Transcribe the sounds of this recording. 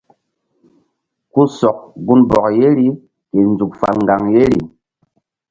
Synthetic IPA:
ku˦sɔ˨k̚ɡu˦nbɔ˨k̚je˦ɾi˦ | ke˨nd͡zu˨kfa̰˨lŋɡa˨ŋje˦ɾi˨

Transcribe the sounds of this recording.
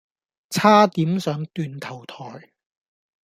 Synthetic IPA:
t͡sʰaː˥t̪iː˨˥msœː˨˥ŋt̪yː˧nt̪ʰɐ˨˩wt̪ʰɔː˨˩j

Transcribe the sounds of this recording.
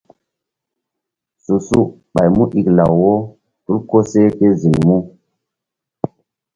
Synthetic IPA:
su˨su˦ | ɓa̰˨jmu˦ʔi˨kla˨wwo˦ | tu˦ɾko˦se˦ke˦zi˨ŋmu˦

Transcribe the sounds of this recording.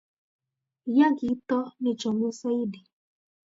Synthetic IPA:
ja˦ɡɪ˨˦tɔ˦nɪ˦t͡ʃɔ˨mʊ˦sa˦i˦di˨

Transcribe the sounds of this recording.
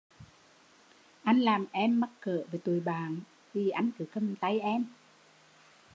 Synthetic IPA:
ʔa˧jŋ̟laː˨˩mʔɛ˧mːa˦˥t̚kəː˧˨veː˧˩t̪u˨˩əjɓaː˨˩n | t̪ʰi˨˩ʔa˧jŋ̟kɨ˨˦kə˧˩m˨t̪a˧jʔɛ˧m

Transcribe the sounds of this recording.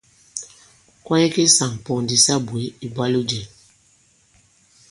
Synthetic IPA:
kwã˦i˦ke˦sa˨ŋpɔ˨ndi˨sa˦bwe˨˦i˨ba˦lu˦d͡ʒɛ˨

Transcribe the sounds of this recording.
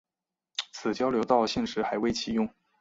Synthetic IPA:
t͡sʰɹ̩˨˩t͡ɕjɑ˥ʊljo˧˥ʊt̪ɑ˥˧ʊɕi˥˩ŋʂɻ̩˧˥xa˧˥ɪwe˥˩ɪt͡ɕʰi˧˩jʊ˥˩ŋ

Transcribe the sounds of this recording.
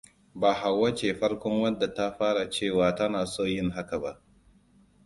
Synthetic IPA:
baː˨ɦa˨wːɐ˦t͡ʃeː˨ɸɐ˦ɽkʷɔ˦ŋwɐ˦dːa˨ta˦ɸaː˦ɽa˨t͡ʃeː˦˨waː˨ta˦naː˨soː˦jɪ˦ŋɦa˦ka˨ba˦ʔ

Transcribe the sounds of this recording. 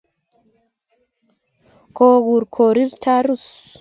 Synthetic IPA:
ko˨ɣu˨ɾkʰo˨ɾi˦ɾtʰa˦ɾu˦s

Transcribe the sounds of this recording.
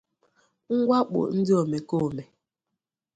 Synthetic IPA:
ŋ̩˦ɡwa˦k͡po̰˨n̩˦di˦o˨mɛ˨ko˦˨mɛ˨

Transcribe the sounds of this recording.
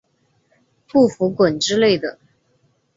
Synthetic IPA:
pu˥˩fu˧˥kwə˨˩nʈ͡ʂɻ̩˥le˥˩ɪd̪ə˩

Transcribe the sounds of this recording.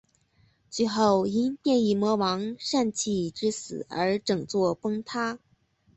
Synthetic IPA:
t͡swi˥˧xo˥˩ʊi˥npjɛ˥˧ni˥˩mwɔ˧˥wɑ˧˥ŋʂa˥˧nt͡ɕʰi˥˩ʈ͡ʂɻ̩˥sɹ̩̰˨˩ə̰˞˧˥ʈ͡ʂɤ˨˩ŋt͡swɔ˥˩pɤ˥ŋt̪ʰa˥

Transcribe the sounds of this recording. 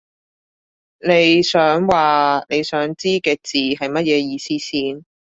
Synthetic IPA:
ne˨˧jsœː˨˥ŋwaː˨ne˨˧jsœː˨˥ŋt͡siː˥kɛː˧t͡siː˨hɐ˨jmɐ˥t̚jɛː˨˧jiː˧siː˥siː˥n

